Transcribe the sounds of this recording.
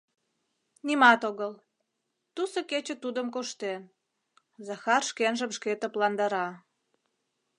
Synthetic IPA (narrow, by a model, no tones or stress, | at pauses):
nimɑt̪oɣəl | t̪usə̆ket͡ɕə̆t̪ud̪əmkoʃt̪en | zɑxɑrʃkenʒəmʃket̪ə̆plɑnd̪ɑɾɑ